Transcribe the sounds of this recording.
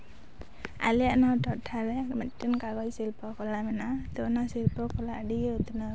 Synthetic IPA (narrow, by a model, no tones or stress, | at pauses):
a̰lianawtɔtʰːalɛmatːɯnkaɡɔjsilpɔkʰɔlamanat̪ɔnasilpɔkʰɔladiut̪na